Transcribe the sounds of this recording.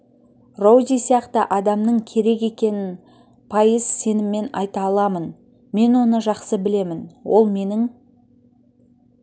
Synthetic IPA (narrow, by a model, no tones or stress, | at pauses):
ro̞wd̪ʲijsijɑqt̪əʔɑd̪ɑmnəɴkʲʰe̞ɾe̞ke̞kʲe̞nɪn | pʰɑjəz̥se̞nɪmːe̞nɑ̰jt̪ɑːlˠɑmən | me̞nwo̞nəʒɑqsəbɪle̞mɪnwo̞̰lˠme̞nɪŋ